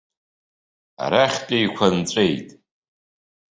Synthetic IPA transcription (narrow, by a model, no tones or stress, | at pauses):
a̰ɾaχʲtʼejkʷʰant͡sʷʼejtʼ